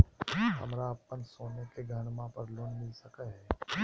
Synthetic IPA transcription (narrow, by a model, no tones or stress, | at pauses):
hɐ̰mɾaɐpːənsoːnekeɡʱənmãpɐɾloːnmɪlsɐkəɦɛː